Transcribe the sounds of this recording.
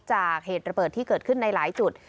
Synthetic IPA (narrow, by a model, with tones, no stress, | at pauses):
t͡ɕaː˨˩k̚heː˨˩t̪̚ɾa˧bəː˨˩t̪ʰːiː˥˩kɤː˨˩t̪̚kʰɯ˥˩nːa˧jlaː˩˦jt͡ɕu˨˩t̪̚